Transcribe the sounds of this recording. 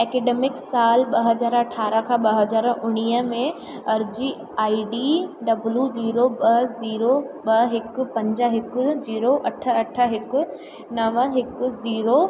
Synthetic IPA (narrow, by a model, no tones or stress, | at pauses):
ɛːkeːɖeːmɪksaːlɓɐɦɐzaːɾɐʈʰaːɾəkʰãːɓɐɦɐzaːɾʊɽ̃iːəmẽ | ɐɾd͡ʑi | aːiɖiːɖɐbljuziːɾobɐziːɾoɓɐɦɪkʊ̆pɐ̃ɲd͡ʑəɦɪkʊd͡ʑiːɾoʔɐʈʰə̆ɐʈʰəɦɪkʊ̆ | nɐʋəɦɪkʊ̆ziːɾo